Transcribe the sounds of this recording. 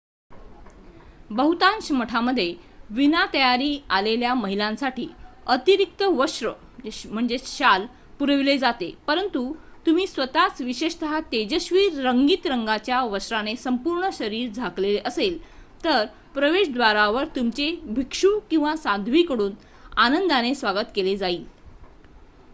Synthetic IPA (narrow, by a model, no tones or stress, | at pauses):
bəɦut̪ãnɕməʈʰaməd̪ʱːjeʋinat̪əjaɾiːaleljaməɦilãnsaʈʰiː | ət̪iɾik̚t̪əʋəɕɾə | m̤əɳd͡zeɕal | puɾəʋled͡zat̪epəɾənt̪ut̪um̤iːsʋət̪at͡sʋiɕeɕt̪ʰaɦat̪ed͡ʑəɕʋiːɾːəŋɡiːt̪ɾəŋɡat͡ɕjaʋəɕɾanesəmpuɾɳəɕəɾiːɾd͡zʱakleleʔəselt̪əɾ | pɾəʋeɕd̪ʋaɾaʋəɾt̪umt͡ɕebʱikʂukĩw̃ʋasãd̪ʱʋiːkəɽuːn | anənd̪anesʋaɡət̪keled͡zaiːl